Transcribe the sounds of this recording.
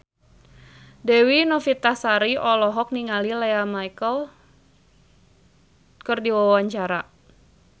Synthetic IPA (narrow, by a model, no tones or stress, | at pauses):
dɛwinɔfit̪asaɾiɔlɔɦɔk̚niŋalilɛamajkəl | kərdiwawaɲt͡ʃaɾa